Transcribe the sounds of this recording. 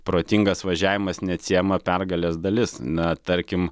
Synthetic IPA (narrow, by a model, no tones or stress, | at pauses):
pɾoːt̪ʲɪŋɡɐsʋɐʒʲæːʋʲɪmɐsnʲɛɐt̪ʲsʲijɛmɐpʲɛrɡɐlʲeːsd̪ɐlʲɪsnɐt̪ɐɾʲkʲɪm